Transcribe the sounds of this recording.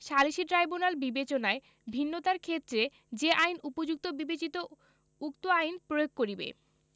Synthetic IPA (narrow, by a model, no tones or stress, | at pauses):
ʃaliʃiʈɾajbunalbibet͡ɕonae | bʱinːot̪aɾkʰet̪ːɾe | d͡ʑeʔajnupod͡ʑuk̚t̪obibet͡ɕit̪o | ukt̪oajnpɾojoɡ̚koɾibḛ